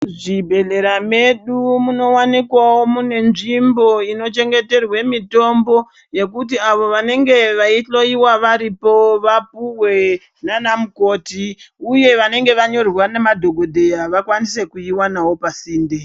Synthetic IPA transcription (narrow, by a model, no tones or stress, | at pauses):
ʐibʱe̞ɮe̞ɾame̞ɗumuno̞wanikwawomune̞nʐimbo̞ino̞t͡ʃe̞ŋɡe̞te̞rwe̞mito̞mbo̞ | je̞kut̬iaʋo̞ʋane̞ŋɡe̞ʋaiɬo̞iwaʋaɾipo̞ʋap̚uwe̞ | nanamuko̞ːtiuje̞ʋane̞ŋɡe̞ʋaɲo̞rwanemadʱo̞ɡʱo̞dʱe̞jaʋakwanise̞kuiwanawo̞pasiːnde